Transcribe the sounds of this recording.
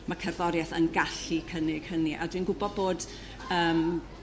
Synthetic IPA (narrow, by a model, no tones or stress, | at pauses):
makʰɛrðɔɾjɛθənɡaɬikʰənɪɡ̥ʰəniʔa̰dwinɡʊbɔd̚boːd | əːm